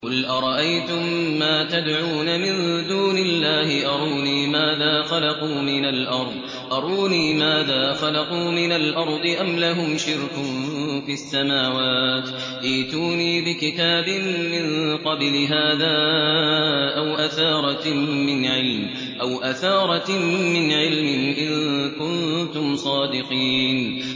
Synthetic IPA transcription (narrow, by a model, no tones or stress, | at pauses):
qʊlʔɑɾˤɑʔajt̪ʊmːaːt̪ad̪ʕuːnamɪnd̪uːnɪlːaːhɪʔɑɾˤuːniːmaːðaːxɑlɑquːmɪnalʔɑɾˤðˤ | ʔɑɾˤuːniːmaːðaːxɑlɑquːmɪnalʔɑɾˤd̪ˤɨʔamlaɦʊmʃɪɾkʊnfiʔasːamaːwaːt̪ | ʔiːt̪uːniːbɪkɪt̪aːbɪnmɪnqɑblɪɦaːðaː | ʔawʔaθɑːɾˤɑmɪnʕɪlm | ʔawʔaθɑːɾˤɑmɪnʕɪlmɪnʔɪnkʊnt̪ʊmsˤɑːd̪ɪqiːn